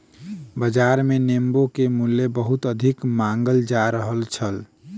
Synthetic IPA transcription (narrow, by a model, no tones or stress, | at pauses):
bəd͡ʒaɾmenembokemulːebəɦut̪əd̪ʱikmaŋɡəld͡ʒaɾəɦəlt͡ʃʰəl